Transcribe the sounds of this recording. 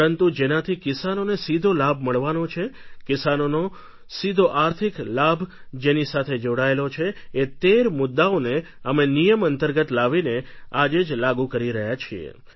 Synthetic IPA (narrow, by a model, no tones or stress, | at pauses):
ɾənt̪ud͡ʒenat̪ʰikɪsanonesid̪ʱolabʱməɭʋanot͡ʃʰekɪsanono | sid̪ʱoʔaɾt̪ʰiklabʱ | d͡ʒenisat̪ʰed͡ʒoɽaelot͡ʃʰeːt̪eɾmʊd̪ːaone | əmenijəmənt̪əɾɡət̪laʋinead͡ʒed͡ʒlaɡukəɾiɾəɦjat͡ʃʰiḛ